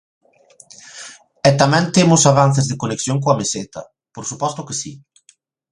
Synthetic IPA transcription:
ɛt̪amɛ̃nt̪emʊsaβan̟θezðɪkoneksjoŋk̬oɐmeset̪ɐ̰ | poɾsupɔst̪ʊkɪsi

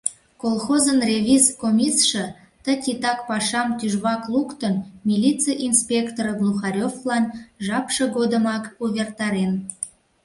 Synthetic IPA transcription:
kolˠxozənrʲevʲizkomʲisʃə̆ | t̪ətʲit̪ɑkpɑʃɑmt̪yʒβɑklˠukt̪ənmʲilʲit͡sɨjʔinspʲekt̪oɾəɡlˠuxɑɾʲoflɑnʒɑpʃəɡod̪əmɑkuβʲert̪ɑɾen

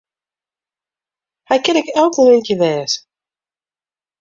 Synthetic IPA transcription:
hɛjkɪnɪkɛlˠkəlɪnkjəʋɛːs

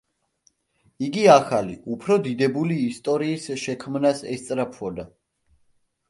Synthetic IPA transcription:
iɡiaχaliʔupʰɾɔd̪id̪ɛbuliːst̪ʼɔɾiːsʃɛkʰmnasɛst̪sʼɾapʰvɔd̪a

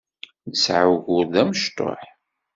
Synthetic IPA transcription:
nəsʕawʝʊɾðæməʃt̪o̰ħ

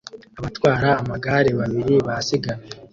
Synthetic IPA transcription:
aβatwaːɾaːmaɡaːɾeβaβiɾiβasiɡaje

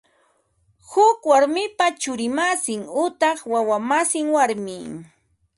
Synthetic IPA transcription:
hʊkwaɾmɪpat͡ʃʊɾɪmasɪŋʊt̪ɑχwawamasɪŋwaɾmɪ

